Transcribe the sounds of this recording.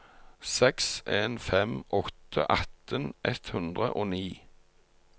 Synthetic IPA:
sɛksʔeːnfɛmʔɔt̪ʰə̰ʔɑt̪ʰənʔɛt̪hʉnd̪ʁəʔoːniː

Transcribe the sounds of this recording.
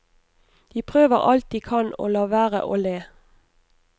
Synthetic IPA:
d̪̥iːpʰʁøːʋəʁɑlt̪̚d̪iːkʰɑno̰ːlɑːʋæːʁə̰ʔoːleː

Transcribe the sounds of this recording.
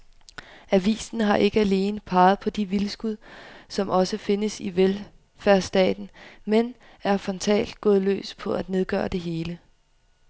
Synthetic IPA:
æʋḭːsn̩ɦɑ̈ʔe̝ɡ̥əæle̝ːnəpʰɑ̈ːð̞̩ˠpʰɒ̽d̥iʋilsɡ̥uð̞̰ˠsɒ̽mʔɒ̽səfe̝nəsiʋel | fæɐsd̥ɛ̰ːd̥n̩men | æɐfɒ̽nt͡sʰɛ̰ːld̥ɡ̥ɔ̽ːðˠlø̰ːspʰɒ̽ʔæd̥ne̝ðˠɡ̥œ̰ːɐd̥e̝ɦe̝ːlə

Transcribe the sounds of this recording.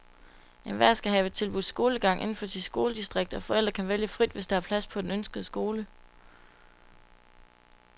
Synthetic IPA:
enʋæɐ̰sɡ̥æɦɛʋe̝d̥̚t͡sʰe̝lb̥uðˠsɡ̥o̝ːləɡ̥ɑ̈ŋ̰ʔe̝n̩fɒ̽sid̥sɡ̥o̝ːləd̥isd̥ʁeɡ̥̚d̥ɒ̽fɒ̽el̰d̥ʁɐkʰænʋeljəfʁid̥ʋe̝sd̥ɑɑpʰlæspʰɒ̽d̥enønsɡ̥əð̩ˠəsɡ̥o̝ːlə

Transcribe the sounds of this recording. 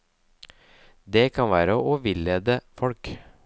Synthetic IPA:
d̪ɛkʰɑnʋæːɾəʔoʋɪlːeːd̪əfɔlk

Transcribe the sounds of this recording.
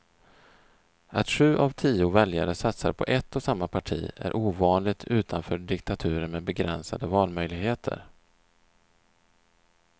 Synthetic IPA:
ʔat̪ɧʉ̟ːʔavt̪ʰiːʊvɛljaɾəsat̪sa̰ɾpʰɔ̰ʔɛt̪ːɔsamːapʰaʈʰḭːæ̰ɾʔuːvɑːnlɪɡ̚t̪ʰʉ̟ːt̪ʰanfœːɖɪkt̪at̪ʰʉ̟ːɾəɾmeːd̪bɛɡɾɛ̰nsa̰d̪əvɑːlmœjlɪɡheːt̪ʰə̰ɾ

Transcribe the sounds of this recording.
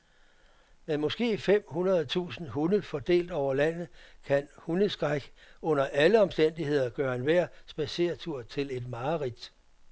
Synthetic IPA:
menmɒ̽sɡ̥e̝̰ːfem̰hunɐð̩ˠt͡sʰṵːsn̩ɦunð̩ˠfɒd̥e̝̰ːld̥ɒʊ̰ɐlæn̰ð̩ˠkʰænhun̩sɡ̥ʁaɡ̥əɔ̽n̰ɐʔæləɒ̽msd̥en̰d̥iɦe̝ð̞̰ˠɐɡ̥ɶːɐenʋæɐ̰sb̥æse̝̰ːɐt͡sʰuɐ̰t͡sʰe̝le̝d̥mɑ̈ːʁid̥

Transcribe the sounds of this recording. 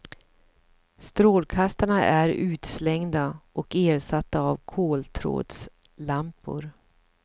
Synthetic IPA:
st̪ɾoːlkʰast̪aɳaʔæɾʉ̟ːt̪slɛŋd̪aʔɔkeːɾsat̪ːaːvkʰoːlt̪ʰɾo̰ːd̪slampʊ̰ɾ

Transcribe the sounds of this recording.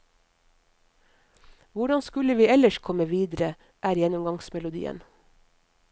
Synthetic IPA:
ʋʊɖɑnskʉləʋiːɛləʃkʰɔməʋiːd̪ɾə | ʔæːɾjɛnʊmɡɑŋsmɛlʊd̪ḭːə̰n

